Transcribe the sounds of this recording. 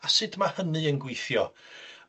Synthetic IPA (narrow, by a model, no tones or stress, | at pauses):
asɨdmahənɨənɡwɪjθjɔ